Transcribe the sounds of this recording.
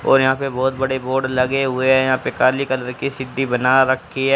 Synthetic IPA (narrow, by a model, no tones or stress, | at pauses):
ɔ̰ːɾjɐɦãːpebɔːt̪bɐɽeboːɾɖlɐɡeɦʊeɦɛjɐɦãːpekaːlikɐləɾkisɪɖːibɐnaɾɐkʰːiɛː